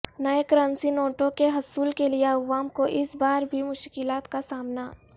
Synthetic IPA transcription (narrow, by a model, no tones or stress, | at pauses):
nɐekɾaːnsinoːʈõkeɦɐsuːlkelieɐʋaːmkoʔɪsbaːɾbʱimʊʃkɪlaːt̪kasaːmna